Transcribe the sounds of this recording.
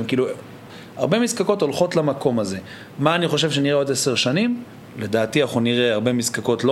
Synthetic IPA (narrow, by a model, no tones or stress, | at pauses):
mkiːlu | a̰ʁbemizkako̞to̞lχo̞tlamako̞maze̞ | maːniχo̞ʃe̞vʃeniʁeo̞d̪ese̞ʁʃanim | le̞d̪aːtiaχuniʁeaʁbemizkako̞tlo